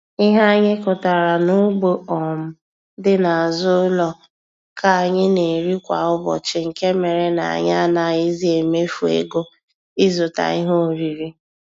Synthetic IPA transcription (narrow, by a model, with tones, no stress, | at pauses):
i˦ɦa˦a˦ɲɪ˦kʊ˨ta˨ɾa˨nʊ˦ɡ͡bo˦ɔ˨m̩˦ | dɪ˦na˨a˨zʊ˦lɔ˦ | kʰa˨a˨ɲɪ˦ne˨ɾi˦kʷa̰˨ʊ˦bɔ̰˨t͡ʃɪ˨ŋ̩˨ke˦me˨ɾe˨na̰˨a̰˨ɲ˦a˦na˨ɪ˦zi˦e˨me˦fu˨ḛ˦ɡo˦ | i˦zʊ˨ta̰˨i˦ɦo˦˨ɾi˨ɾi˦